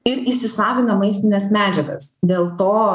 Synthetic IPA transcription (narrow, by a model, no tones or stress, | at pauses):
ɪɾɪsʲɪsɑːʋʲɪnɐmɐɪsʲt̪ʲɪnʲɛsmʲæːd͡ʒʲɛɡɐ̰sd̪ʲeːlˠt̪oː